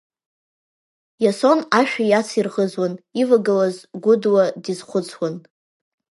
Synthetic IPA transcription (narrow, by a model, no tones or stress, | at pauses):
jaso̞naʃᶣajat͡sʰirʁəzwanivaɡalazɡʷʊdwadizχʷʊt͡sʰwan